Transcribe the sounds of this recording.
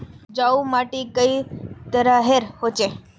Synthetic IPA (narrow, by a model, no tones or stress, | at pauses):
d͡ʒaumaʈikəit̪əɾaɦeɾhot͡ʃe